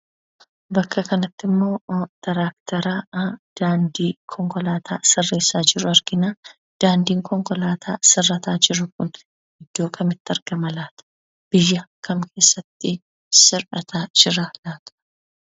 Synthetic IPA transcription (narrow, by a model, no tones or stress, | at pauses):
bɐkːɐkɐnɐt̪ːɪmːo̞ːt̪ʰɐɾaːk̚t̪ʰɐɾaːd̪̥aːnd̪iːkʰɔŋkɔlaːt̪ʰaːsɪrːe̞ːsːaːd͡ʒɪɾʊɐɾɡɪnaː | d̪̥aːnd̪iːŋkɔŋkɔlaːt̪ʰaːsɪrːɐt̪aːd͡ʒɪɾʊkʊn | hɪd̪ːo̞ːkʰɐmɪt̪ːɐɾɡ̥ɐmɐlaːt̪ɐ̥ | b̥ɪjːɐkʰɐmkʰe̞ːsːɐt̪ːɪ | sɪɾɐt̪ʰaːd͡ʒɪɾaːlaːt̪ɐ̥